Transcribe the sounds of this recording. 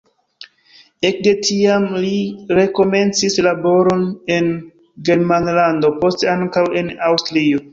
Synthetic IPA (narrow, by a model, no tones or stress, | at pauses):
e̞k̚de̞tʰiamliɾe̞ko̞me̞nt͡sislabo̞ɾo̞ne̞n | ɡe̞ɾmanlando̞po̞steaŋkawe̞nawstɾio